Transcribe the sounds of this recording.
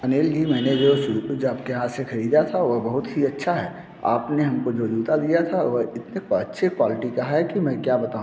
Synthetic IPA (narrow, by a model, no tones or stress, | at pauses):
ɐneːld͡ʒimɛ̃ːned͡ʒoːʃʊd͡ʒaːpkeɦãsexɐɾiːd̪at̪ʰaʋɐbɐɦʊt̪ɦiɐtːʃʰaɦɛː | a̰ːpneɦɐmkod͡ʒoːd͡ʒuːt̪ad̪ijat̪ʰaʋɔɪt̪neɐtːʃʰekwaːlɪʈikɐɦaɦɛkimɛ̃ːkjaːbɐt̪aːũ